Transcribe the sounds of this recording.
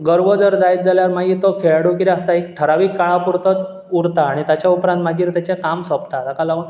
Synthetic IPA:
ɡəɾʋəd͡zəɾd͡zajt̪̚d͡zaljaɾmaɡit̪okʰeɭɽukiɾiəst̪aekʈʰəɾaʋiːkːaɭapuɾt̪ət͡s | uɾt̪aːɽ̃it̪jat͡ɕjaupɾant̪maɡiːɾt̪jat͡ɕekamsɔpt̪at̪akalaɡuːɳ

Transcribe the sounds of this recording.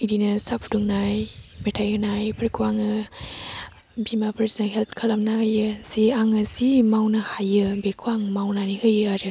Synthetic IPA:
idinɯsapʰduŋnajmetʰajɯnajpʰəɾkʰuaŋɯ | bimapʰəɾsnaɦelp̚ʰkʰalamnahajɯsiaŋɯsimawnɯhajɯbekʰwaŋmawnanihɯjɯaɾɯ

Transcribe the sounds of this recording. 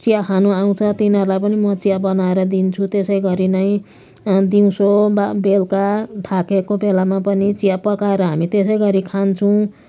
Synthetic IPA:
t͡sijakʰanuaw̃t͡sʰʌt̪inɦʌrlajpʌnimʌt͡sijabʌnaeɾʌd̪int͡sʰut̪esʌjɡʌɾinʌj̃ | d̪iũsobbelkaʈ̪ʰakekobelamapʌnit͡sijapʌkaeɾʌɦamit̪es̬ʌjɡʌɾikʰant͡sʰuw̃

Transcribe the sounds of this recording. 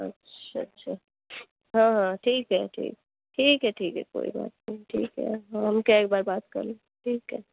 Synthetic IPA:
ɐ̰tːʃaɐtːʃʰa | ɦãːɦãʈʰiːkɦɛʈʰḭːk̚ɛ | ʈʰiːkɦɛʈʰiːkɦɛ̰ko̰ːḭba̰ːt̪̚neɦĩʈʰḭːkɦɛ̰ɦaɦɐmkaeːk̚baːɾbaːt̪̚kɐ̰ɾlẽ | ʈʰiːkɦɛ

